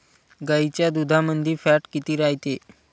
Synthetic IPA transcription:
ɡait͡ɕjad̪ud̪ʱamənd̪ʱiːfæʈkit̪iːɾaɦjt̪e

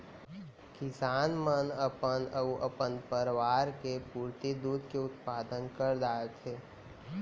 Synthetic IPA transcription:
kɪsaːnmənəpənəuʔəpənpəɾʋaːɾkepuːɾt̪id̪uːd̪ʱkeʊt̪paːd̪ənkəɾd̪aːet̪ʰeː

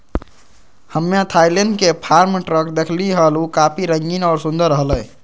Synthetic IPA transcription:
həmːet̪ʰajleɳɖkepʰaɾmʈɾəkd̪ekʰliɦəlukapʰiɾəŋɡinɔːɾsũnd̪əɾːəɦləː

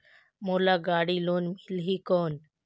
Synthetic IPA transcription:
moːlaːɡaːɽiːloːnmɪlɦiːkoːn

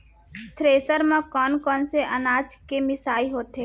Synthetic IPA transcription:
t̪ʰɾeːsəɾmãkɔːnkɔːnseʔɐnaːd͡ʒkemɪsaːiɦoːt̪ɦeː

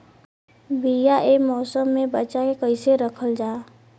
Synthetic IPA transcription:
bijaʔeːmɔːsəmːẽbət͡ʃakekəɪseɾəkʰəld͡ʒaː

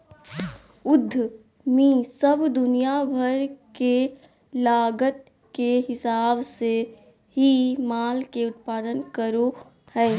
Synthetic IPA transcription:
ʊd̪ʱː | mĩsəbd̪ʊnijabʱəɾke | laːɡət̪̚ | keɦɪsaːbse | ɦimaːlkeʊt̪̚paːd̪ənkəɾo | hɛː

